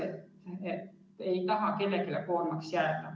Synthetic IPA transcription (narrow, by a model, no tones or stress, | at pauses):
et̪et̪ː | ejt̪ɑɦɑke̞lːekelekoːrmɑksjæːt̪ɑ